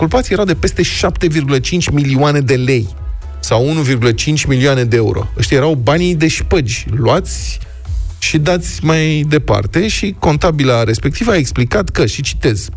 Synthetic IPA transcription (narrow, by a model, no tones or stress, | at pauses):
kulpat̪sijeɾawd̪e̞pe̞st̪e̞ʃapt̪e̞virɡulət͡ʃint͡ʃʲmilioane̞d̪e̞le̞j | sawunuvirɡulət͡ʃint͡ʃʲmilioane̞d̪eeṵɾo̞̰əʃt̪ʲijeɾawbanid̪e̞ʃpəd͡ʒʲluat̪sʲ | ʃid̪at̪sʲmajd̪e̞pa̰rt̪e̞ʃiko̞nt̪abilaɾe̞spe̞k̚t̪ivae̞ksplikat̪kəʃit͡ʃi̥t̪e̞z̥